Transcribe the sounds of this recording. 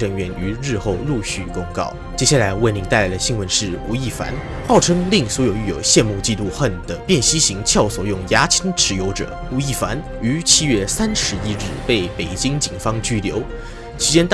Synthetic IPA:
ʈ͡ʂɤ˧˥ŋɥɛ˧˥ny˧˥ɻɻ̩˥˧xo˥˧ʊlu˥˧ɕy˥˩kʊ˥ŋkɑ̰˥˩ʊt͡ɕjɛ˥ɕja˥˩la˧˥ɪwə˥˩nni˧˥ŋt̪a˥˩ɪla˧˥ɪd̪ə˧ɕi˥ŋwə˧˥nʂɻ̩˥˩u˧˥i˥˩fa̰˧˥n | xɑ˥˩ʊʈ͡ʂʰɤ˥ŋli˥˩ŋswɔ˧˥jo˨˩ʊy˥˩jo̰˨˩ʊɕjɛ˥˧nmu˥˧t͡ɕi˥˧t̪u˥˧xə˥˩nd̪̥ə˩pjɛ˥˩nɕi˥ɕi˧˥ŋt͡ɕʰjɑ˥˩ʊswɔ˨˩jʊ˥˩ŋja˧˥t͡ɕʰi˥ŋʈ͡ʂʰɻ̩˧˥jo˧˥ʊʈ͡ʂɤ̰˨˩˦u˧˥i˥˩fa̰˧˥n | y˧˥t͡ɕʰi˥ɥɛ˥˩sa˥nʂɻ̩˧˥i˥ɻɻ̩˥˩pe˥˩ɪpe˨˩ɪt͡ɕi˥ŋt͡ɕi˨˩ŋfɑ˥ŋt͡ɕy˥ljo̰˧˥ʊ | t͡ɕʰi˧˥t͡ɕjɛ˥nt̪

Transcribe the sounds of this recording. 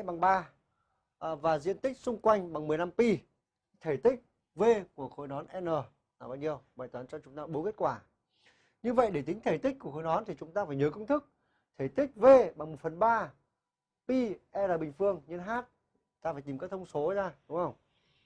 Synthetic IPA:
ɓa˨˩ŋɓaː˧˨˩ | vaː˨˩zḭ˧˨ənt̪ï˦˥k̚sʊ˧ŋ͡mkwa˧jŋ̟ɓa˨˩ŋmɨ˨˩əjna˧mpi˧˦ | t̪ʰe˧˩jt̪ï˦˥k̚ | ve˧ku˧˩əxo˧˩jɗɔ˨˦nʔɛ˧nəː˨˩˨ | ɓaː˧ɲi˧əwɓaː˨˩jt̪waː˨˦nt͡ɕɔ˧t͡ɕʊ˨˦ŋ͡mt̪aː˧ɓo˨˦ke˦˥t̚kwaː˧˩ | ɲɨ˧və̰˧˨jɗe˧˩t̪ï˨˦ŋ̟t̪ʰe˧˩jt̪i˦˥k̟̚ku˧˩əxo˧˩jɗɔ˨˦nt̪ʰi˨˩t͡ɕʊ˨˦ŋ͡mt̪aː˧faː˧˩jɲəː˨˦kə˧wŋ͡mt̪ʰɨ˦˥k̚ | t̪ʰe˧˩t̪ï˦˥k̟̚ve˧ɓa˨˩ŋmo˨˩t̚fə˨˩nɓaː˧ | pi˧ʔɛ˧laː˨˩ɓï˨˩ŋ̟fɨ˧əŋɲə˧nɦaː˦˥t̚ | t̪aː˧faː˧˩t̪i˨˩mkaː˦˥t̪ʰə˧ŋ͡mso˨˦zaː˧ɗʊ˨˦ŋ͡mhə˧wŋ͡m

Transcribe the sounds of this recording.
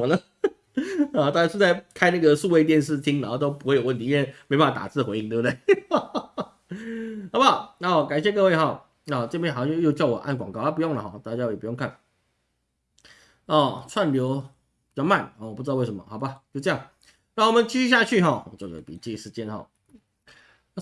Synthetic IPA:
ə˨nə˨˩˥ | t̪a˥˩t͡ɕja˥˩o˥˧˩t͡sa˥˧ɪkʰa˥ɪna˥˩ɡə˩su˥˧we˥˧t̪̬jɛ˥˧nʂ̬̩˥˩t̪ʰi˥ŋna˨˩˥t̪o˥ʊpu˧˥we˥˩ɪjwə˥˩ni˧˥˩jɛ˥˧˩me˧˥pa˥˩a˨˧t̪a̰˨˩t͡sɹ̩˥˩xwe˧˦i˥˧ŋt̪wbə˩d̪e˥˩ɪ | xɑ˨ʊba˨˩˥ɔ˥˩˨ka˨˩nɕ̬jɛ˥˧kɤ˥˧we˥˩ɪxɔ˨˩ | ɔ˥˩t͡ɕɤ˥˧˥xjo˥˧jo˥˧ʊt͡ɕjɑ˥˩ʊwɔ̰˨˩ʔa̰˥˩nkwɑ˨ŋkɑ˥ʊ˥˩p̬u˧jʊ˥˩ŋlə˨˩xɔ̰˥˩t̪a˥˩t͡ɕa˥jo˥˩jpu˧jo˥˧ŋkʰa˥˩n | ɔ˥˩t͡sʰwa˥˩nljo˧˥ʊ˨˩ | jma˥˩nɔ˨˩wɔ˨pu˥˧˥we˥˩ʂə˧˦mə̰˩xɑ˨˩ʊba˧t͡ɕjo˥˧ɤ˥˧jɑ˥˩ŋ | na˥˩wɔ˨mə˨˦nt͡ɕi˥˧ɕy˥˧ɕja˥˧t͡ɕʰy˥˧ɦɔ˥˩˨ɔ˨˩t͡ɕjo˥˩kpḭ˨˩t͡ɕi˥˩ʂɻ̩˧t͡ɕjɛ˥nxɑ̰˥˩˧

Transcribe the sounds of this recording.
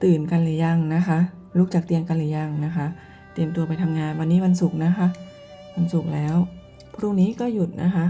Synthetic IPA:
t̪ɯː˨˩nka˧nlɯː˨˩˦ja˧˩ŋna˦˥kʰa˦˥ | lu˦˥k̚t͡ɕaː˨˩k̚t̪i˧əmka˧nlɯː˨˩˦ja˧˩ŋna˦˥kʰa˦˥ʔ | t̪i˧əmt̪u˧ɐpa˧jt̪ʰa˧mŋaː˧nwa˧nːiː˦˥wa˧nsu˨˩k̚na˦˥kʰa˦˥ʔ | wa˧nsu˨˩k̚lɛː˦˥w | pʰɾuː˥˩ŋniː˦˥kɔː˥˩ju˨˩t̪̚nʔa̰˦˥kʰa˦˥ʔ

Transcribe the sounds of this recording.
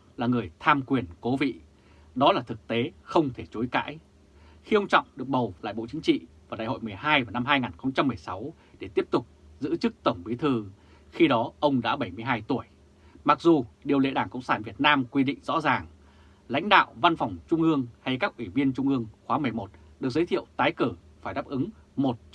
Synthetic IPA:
laː˨˩ŋɨ˨˩əjt̪ʰaː˧mkwi˨˩ənko˨˦vḭ˧˨ | ɗɔ˨˦laː˨˩t̪ʰɨ˨˩k̚t̪e˨˦xə˧wŋ͡mt̪ʰe˧˩t͡ɕo˨˦jka̰ː˧˥j | xi˧ʔə˧wŋ͡mt͡ɕɔ̰˧˨wŋ͡mɗɨ˨˩ək̚ɓə˨˩wla̰ː˧˨jɓo̰˧˨t͡ɕi˨˦ŋ̟t͡ɕḭ˧˨vaː˨˩ɗaː˨˩jho̰˧˨jmɨ˨˩əjɦaː˧jvaː˨˩na˧mɦaː˧jŋaː˨˩nxə˧wŋ͡mt͡ɕa˧mːɨ˨˩əjsa˨˦w | ɗe˧˩t̪i˦˥əp̚t̪ʊ˨˩k͡p̚zɨ̰˧˥t͡ɕɨ˦˥k̚t̪ə˧˩wŋ͡mkwi˨˦t̪ʰɨ˨˩ | xi˧ɗɔ˨˦ʔə˧wŋ͡mɗa̰ː˧˥ɓə˧˩jmɨ˧əjɦaː˧jt̪u˧˩əj | ma˨˩k̚zu˨˩ɗi˨˩əwlḛ˧˥ɗaː˧˩ŋkə̰˧˨wŋ͡msaː˧˩nvi˨˩ət̚naː˧mkwi˧ɗḭ˧˨ŋ̟zɔ̰˧˥zaː˨˩ŋ | la̰˧˥jŋ̟ɗa̰ː˧˨wva˧nfɔ˨˩wŋ͡mt͡ɕʊ˧ŋ͡mʔɨ˧əŋha˧jkaː˦˥k̚ʔwi˧˩vi˧ənt͡ɕʊ˧ŋ͡mʔɨ˧əŋxwaː˨˦mɨ˨˩əjmo˨˩t̚ɗɨ˨˩ək̚zə˨˦t̪ʰḭ˧˨əwt̪aː˨˦jkəː˧˩ | faː˧˩jɗaː˦˥p̚ʔɨ˨˦ŋmo˨˩t̚

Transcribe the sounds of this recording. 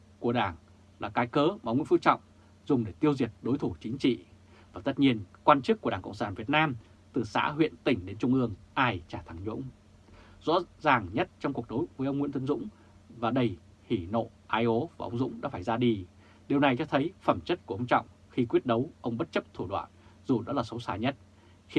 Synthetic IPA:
ku˧˩əɗaː˧˩ŋ | laː˨˩kaː˨˦jkəː˨˦ma˨ə˧wŋ͡mw̰fɨ˧˥t͡ɕɔ̰˧˨wŋ͡m | zʊ˨˩ŋ͡mɗe˧˩t̪i˧əwzi˨˩ət̚ɗo˨˦jt̪ʰu˧˩t͡ɕï˨˦ŋ̟t͡ɕḭ˧˨ | vaː˨˩t̪ə˦˥t̚ɲi˧ənkwaː˧nt͡ɕɨ˦˥k̚ːəɗaː˧˩ŋkə̰˧˨ŋ͡msaː˧˩nvi˨˩ət̚naː˧m | t̪ɨ˨˩sa̰ː˧˥ɦwḭ˧˨ənt̪ï˧˩ŋ̟ɗe˨˦nt͡ɕʊ˧ŋ͡mʔɨ˧əŋʔaː˧˩jt͡ɕaː˧˩t̪ʰa˧˩ŋɲʊ̰˧˥ŋ͡m | zɔ̰˧˥zaː˨˩ŋɲə˦˥t̚t͡ɕɔ˧wŋ͡mku˨˩ək̚ɗo˨˦jvəː˨˦jʔə˧wŋ͡mŋw̰ət̪ʰə˧nzʊ̰˧˥ŋ͡m | vaː˨˩ɗə˧˩j | hi˧˩no̰˧˨ | ʔaː˧jʔo˨˦vaː˨˩ʔə˧wŋ͡mzʊ̰˧˥ŋ͡mɗa̰ː˧˥faː˧˩jzaː˧ɗi˧ | ɗi˨˩əwna˨˩jt͡ɕɔ˧t̪ʰə˨˦jfə˧˩mt͡ɕə˦˥t̚ku˧˩ʔə˧wŋ͡mt͡ɕɔ̰˧˨wŋ͡m | xi˧kwi˦˥ət̚ɗə˨˦wʔə˧wŋ͡mɓə˦˥t̚t͡ɕə˦˥p̚t̪ʰu˧˩ɗwa̰ː˧˨nzu˨˩ɗɔ˨˦laː˨˩sə˨˦wsaː˧˩jɲə˦˥t̚ | xi˧

